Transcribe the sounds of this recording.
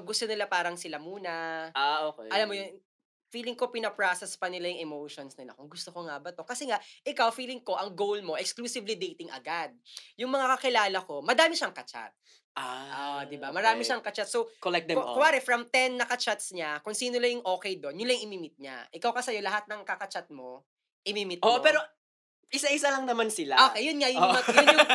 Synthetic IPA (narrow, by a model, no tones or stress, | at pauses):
ɡʊst̪onɪlapaːɾɐŋsɪlamuːnɐaokɛʔɐlamːojon | fiːlɪŋko̞pɪnɐpɹasɛspɐnɪlajʊŋʔɛmowʃonsnɪlɐ̰koɡʊst̪o̞ko̞ŋabɐt̪o̞kɐsɛŋaʔʔɪkawfiːlɪŋko̞ʔɐŋɡowlmo̞ʔɛkskluːsɪvlid̪ejt̪ɪŋʔɐ̰ɡad̪̚jʊŋmɐŋakɐkɪlaːlɐko̞mɐd̪aːmɪʃaŋkɐt͡ʃa̰t̪̚ | ʔaʔod̪ɪbamɐɾaːmɪʃaŋkɐt͡ʃat̪̚sowkolɛk̚d̪ɛkʊwaːɾɛfɾɐmt̪ɛnːɐkɐt͡ʃat̪sɲakʊŋsiːnolɐjʊŋʔo̞ːkɛjd̪o̞njʊlajŋʔɪmiːmɪt̪̚ɲa̰ʔɪkawkɐsɐjo̞lɐɦat̪̚nɐŋkɐkɐt͡ʃat̪̚mo̞ | ʔɪmiːmɪt̪̚oʔpɛːɾo | ʔɪsaʔɪsalɐŋnɐmansɪlaʔoːkejʊnŋaʔjʊŋajʊjʊ